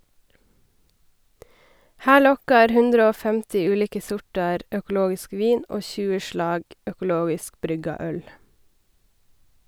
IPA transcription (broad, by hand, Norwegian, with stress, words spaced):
ˈhæː ˈɭɔkɑɾ ˈhʉndɾə ˈoː ˈfɛmtɪ ˈʉːˌliːkə ˈsʊʈɑɾ œkl̩ˈoːɡɪsk ˈʋiːn ˈoː ˈçʉːə ˈʃɭɑːɡ œkʊˈloːɡɪsk ˈbɾʏɡɑ ˈœl